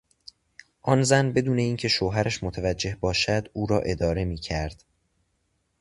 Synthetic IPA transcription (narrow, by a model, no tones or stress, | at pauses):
ʔɒnzænbe̞d̪uːne̞iːncʰe̞ʃoːɦæɾæʃmot̪ʰævæd͡ʒːe̞hbɒːʃæd̪uːɾɒːʔe̞d̪ɒːɾe̞miːcʰæɾd̪̥